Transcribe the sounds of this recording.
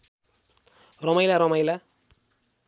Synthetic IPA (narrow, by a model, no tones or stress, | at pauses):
rʌmʌjlaɾʌmʌjla